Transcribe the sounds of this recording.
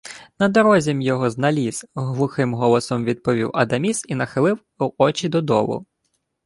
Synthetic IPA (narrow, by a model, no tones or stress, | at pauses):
nɐd̪ɔɾɔzʲɛmjɔɦɔznɐlʲizɦlˠʊxɪmɦɔlˠɔsɔmʋʲid̪̚pɔʋʲiwɐd̪ɐmʲisinɐxɪlˠɪw | ɔt͡ʃʲid̪ɔd̪ɔ̰lˠʊ̰